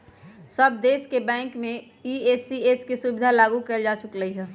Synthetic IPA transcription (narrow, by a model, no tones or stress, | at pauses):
səb̚d̪eːskebɛ̃ːŋkmẽ | ieːsieskisubɪd̪ʱalaːɡukɐld͡ʒaːt͡ʃʊkləiɦɛː